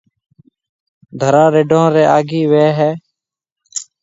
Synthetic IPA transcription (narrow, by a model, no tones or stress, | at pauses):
d̪ʱəɾãːɾeːɖʱõːɾeːʔaːɡiːʋeːɦɛː